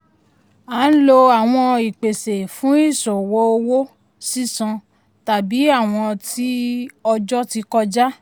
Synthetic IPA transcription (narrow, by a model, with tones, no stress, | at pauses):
a˨˦n̩˦lo˧a˨w̃ɔ̃˧i˨k͡pe˨se˨fũ˦i˦˨sɔ̃˨wo˧˦o˧wo˦ | si˦˨sɔ̃˧ | ta˨bi˨˦a˦˨w̃ɔ̃˧ti˦ɔ˧d͡ʒɔ˦ti˧kɔ˧d͡ʒa˦